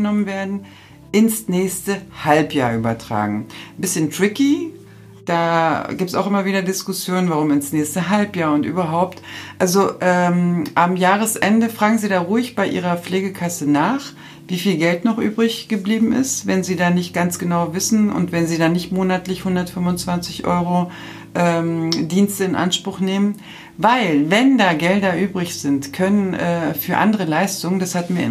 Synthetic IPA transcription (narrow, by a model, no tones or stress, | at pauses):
ənɔmənveːɐdn̩ | ʔɪnsnɛːçstəhalpjaːɐʔyːbɐtʁ̥a̰ːɡŋ̩bɪsçəntʁ̥ɪki | d̥aːɡ̥iːp̚tsʔaʊxʔɪmɐviːdɐdɪskʊsjoːnənvaʁ̞ʊmɪnsnɛːçstəɦalpjaːɐʊntʔy̰ːbɐɦaʊptʔalzoʔɛːmʔamjaːʁ̞əsʔɛndəfʁ̥aːɡŋ̩ziːdaːʁuɪçb̥aɪʔiːʁ̞ɐp͡fleːɡəkʰasənaːχ | viːfiːlɡɛltnɔχʔyːbʁɪçɡ̥əbliːbm̩ʔɪ̰stvɛnziːdaːnɪçt̚ɡ̥ant͡sɡ̥ənaʊvɪsn̩ʊ̰ntv̥ɛnziːdaːnɪçtmoːnatlɪçhʊndɐtfʏmvʊnt͡sv̥ant͡sɪçʔɔ̰ʏʁ̞o | ʔɛːmdiːnstəɪnʔa̰nʃpʁ̥ʊχneːmən | vaɪlvɛndaːɡɛldɐʔyːbʁɪçz̥ɪntkʰœnənʔɛːfyːɐʔa̰ndəʁəlaɪstʊŋəndashatmiːɐɪ